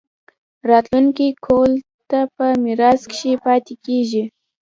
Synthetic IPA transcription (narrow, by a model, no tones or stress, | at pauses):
ɾɑt̪luŋkikʰol | t̪apəmɪɾɑskʃepɑt̪ikeʒi